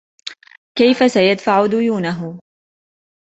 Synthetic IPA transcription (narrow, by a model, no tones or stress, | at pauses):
kajfasajad̪faʕʊd̪ʊjuːnaɦʊ